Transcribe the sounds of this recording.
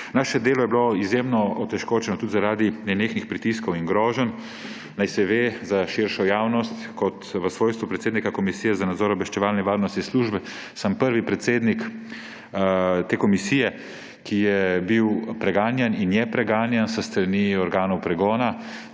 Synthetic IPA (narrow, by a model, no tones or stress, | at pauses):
naːʃɛd̪eːlɔjɛbloizjemnɔɔt̪ɛʃkoːt͡ʃɛnɔt̪ut̪zaɾaːd̪inɛneːxnixpɾit̪iskɔwiŋɡɾɔːʒən | najsɛʋezaʃiɾʃɔjaːwnɔst̪kɔt̪ʋəsʋoːjst̪ʋupɾɛt̪seːd̪nikakɔmisijɛzanad̪zɔːɾɔbʋɛʃt͡ʃɛʋaːlnɛʋaːɾnɔst̪isluʒbɛ | səmpəɾʋipɾɛt̪seːd̪nik | t̪eːkɔmisiːjɛ | kijɛbiwpɾɛɡaːnjɛninjɛpɾɛɡaːnjɛnsəst̪ɾaniɔɾɡaːnɔwpɾɛɡɔːna